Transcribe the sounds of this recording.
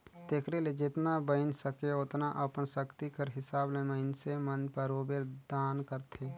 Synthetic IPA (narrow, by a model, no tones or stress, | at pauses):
t̪eːkʰɾeled͡ʒɪt̪nabəɪnsəkeʊt̪naʔɐpənsəkt̪ikəɾɦɪsaːblẽməɪnsemənpəɾoːbeɾd̪aːnkəɾt̪ʰeː